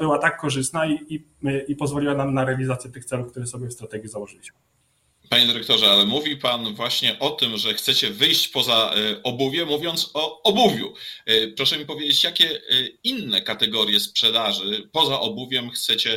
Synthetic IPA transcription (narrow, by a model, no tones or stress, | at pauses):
bɘwat̪akːɔʐɘst̪naii | ipɔzvɔliwanamnaɾɛalʲizat̪sʲjɛt̪ɘxt̪sɛlufkt̪uɾɛsɔbʲjɛfst̪ɾat̪ɛɡʲjizawɔʐɘlʲiɕmɘ | paɲɛd̪ɘɾɛk̚t̪ɔʐɛalɛmuvʲipanvwaɕɲɛʔɔt̪ɘmʐɛxt̪sɛt͡ɕɛvɘjɕt͡ɕpɔzaɔbuvʲjɛmuvʲjɔnt̪sɔɔbuvʲjṵpɾɔʂɛmʲipɔvjed͡ʑet͡ɕjakʲɛinːɛkat̪ɛɡɔɾʲjɛspʂɛd̪aʐɘpɔzaʔɔbuvʲjɛmxt̪sɛt͡ɕɛ